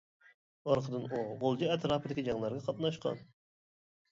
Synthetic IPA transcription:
ɑɾqʰəd̪ɨnuʁolˠd͡ʒɪɛt̪ɾɑːpɨd̪ɪkʲid͡ʒɑŋlˠɑɾɡɑqʰɑt̪nɑʃqʰɑ̰n

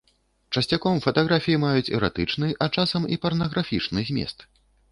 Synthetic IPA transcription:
t͡ʂɐsʲt͡sʲakɔmfɐt̪aɣɾafʲijimajut͡sʲɛ̰ɾa̰t̪ɨt͡ʂnɨʔɐt͡ʂasɐmḭpɐrnɐɣɾafʲit͡ʂnɨzʲmʲɛ̰st̪

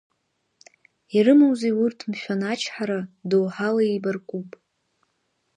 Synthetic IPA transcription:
iɾɨmɨwzejurtʰmʃʷᶣanat͡ʃʰħaɾadowħalaibarkʷʼupʼ

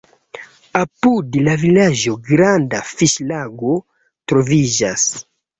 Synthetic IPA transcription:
apudilavilaʒoɡɾandafiʃlaɡo | t̪ɾoviʒas

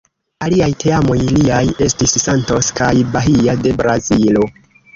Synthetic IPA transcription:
aliajtʰeamo̞jliaje̞stisːanto̞skajbaɦiade̞bɾazilo̞

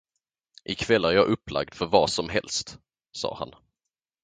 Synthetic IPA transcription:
ʔɪkʰvɛlːæɾjɑːʔɵpːla̰ɡ̚d̪̥fœɾvɑːsɔmɦɛlst̪ | sɑ̰ːha̰n

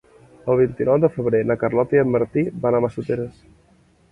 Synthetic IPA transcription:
əlˠβ̞int̪inɔwd̪əfəβɾenəkərlɔt̪iəmməɾt̪ibanaməsut̪eɾəs

